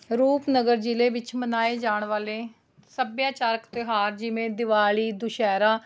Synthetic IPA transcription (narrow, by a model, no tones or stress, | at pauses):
ɾuːpnəɡəɾd͡ʒileːʋɪt͡ʃmənaːeːd͡ʒaːɳʋaːleː | səbjãːt͡ʃaːɾəkt̪eːɦaːɾd͡ʒɪʋẽːd̪ɪʋaːɭiːd̪ʊʃɛːɾaː